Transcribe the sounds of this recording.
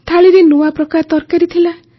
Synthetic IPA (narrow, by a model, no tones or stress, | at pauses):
t̪ʰaɭiɾenuwapɾɔkaɾt̪ɔɾkaɾit̪ʰila